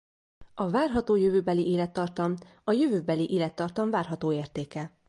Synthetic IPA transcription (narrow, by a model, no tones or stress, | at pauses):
ɒvaːrɦɒt̪oːjøvøːbɛliʔeːlɛt̪ːɒrt̪ɒm | ɒjøvøːbɛliʔeːlɛt̪ːɒrt̪ɒɱvaːrɦɒt̪oːeːrt̪eːkɛ